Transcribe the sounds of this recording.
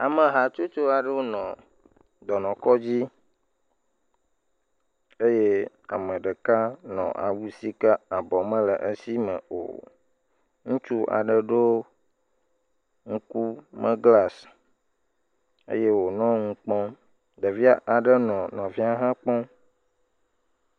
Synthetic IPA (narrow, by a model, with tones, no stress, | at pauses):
a˨mə̃˨ɦa˨t͡ʃo˦t͡ʃo˦a˨ɖe˦wo˦nɔ̃˨ | d̪ɔ˨nɔ̃˨kɔ˦d͡ʑi˦ | e˦je˦ | a̰˨mə̃˨ɖə˨ka˦nɔ̰̃˨ʔa̰˨wu˦si˦ka˦a˨bɔ˨mə̃˦lə˨ʔə˦si˦mə̰̃˨o̰˨ | ŋũ˦t͡ʃu˦ʔa̰˨ɖə˦ɖo˦ | ŋ̩̃˦ku˦mə̃˦ɡla˦s | ḛ˦je˦wo˨nɔ̃˦ŋũ˨k͡pɔ̃˦ | ɖə˨vi˦a˦ʔa˨ɖə˦nɔ̃˨nɔ̃˨vi˦a˦ɦã˦k͡pɔ̃˦